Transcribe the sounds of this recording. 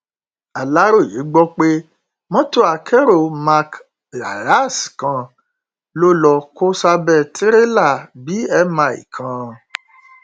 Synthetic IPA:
a˨la˨˦ɾo˦˨je˨˦ɡ͡bɔ˦k͡pe˦ | mɔ̃˦to˦a˨kʰɛ˦ɾo˦˨ma˧k | la̰˨ɾa˦skã˧ | lo˦lɔ˧ko˦sa˧bɛ˦˨tʰi˦ɾe˦la˦˨bi˨˦ɛ˧mã˧˨ḭ˨kʰã˧

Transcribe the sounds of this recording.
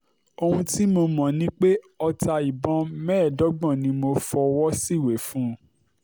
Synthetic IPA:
o˧hũ˧ti˦mo˧mɔ̃˨nĩ˦k͡pe˦ | ɔ˧ta˧i˨bɔ̃˧˦mɛ̃ː˦˨dɔ˨˦ɡ͡bɔ̃˦˨nĩ˧mo˧fɔ˧wɔ˦si˦˨we˨˦fũː˦˧˦

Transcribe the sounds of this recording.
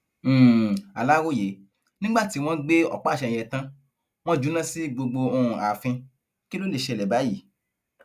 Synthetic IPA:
a˨la˦wo˦˨je˨˦ | nĩ˦ɡ͡ba˦˨ti˨˦w̃ɔ̃˦ɡ͡be˦ɔ̰˦˨k͡pa˦˨ʃɛ̃˨˧˨ɛ˧˨tã˦ | w̃ɔ̃˦d͡ʒu˨˦nã˦si˦ɡ͡bo˧ɡ͡bo˧õ˧ũ˨a˨fĩ˧ | ki˦lo˦le˦˨ʃe˧˨lɛ˨ba˨˦ji˦˨

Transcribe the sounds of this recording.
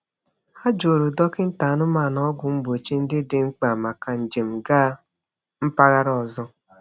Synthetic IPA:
a˦d͡ʒo˨ɾu˨dɔ˦kɪ˦n̩˦ta˨˦nʊ˦ma˦˨nɔ˦ɡʷʊ˨m̩˦bo˨t͡ʃi˦n̩˦dɪ˦dɪ˦ŋ͡m̩˦k͡pa˨ma˨ka˨n̩˨d͡ʒe˨m̩˨ɡaː˦ | m̩˦pa˦ɣa˦ɾɔ˨zɔ˦

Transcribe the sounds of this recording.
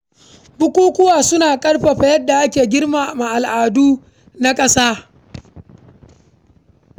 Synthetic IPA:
bʊ˦kʷuː˦kʷʊ˦waː˨sʊ˦naː˨kʼɐ˦rɸa˨ɸa˨jɐ˦dːa˨ʔa˦kʲeː˨ɡʲɪ˦rmaː˨ma˨ʔa˨lʔaː˨duː˦ | na˦kʼɐ˦saː˦

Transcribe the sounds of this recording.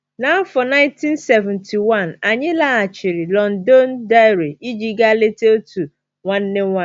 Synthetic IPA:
nã˨˦fɔ˨nã˦ɪ̃˦ntʰĩ˦nsɛ˨vɛ̃˨ntʰi˨wã˦˨na˨ɲɪ̃˦la˦a˨t͡ɕʰɪ˨ɾɪ˨lɔ̃˨ndɔ˦nda˦ɾe˨i˦d͡ʒi˦ɡa˦le˦tʰe˦tʰu˨ | wã˦nːɪ̃˦wã˦˨

